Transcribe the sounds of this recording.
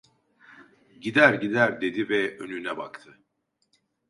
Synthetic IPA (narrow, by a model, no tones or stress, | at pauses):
ɟid̪æɾɟid̪æɾd̪e̞d̪ivɛønynɛba̰kt̪ʰɯ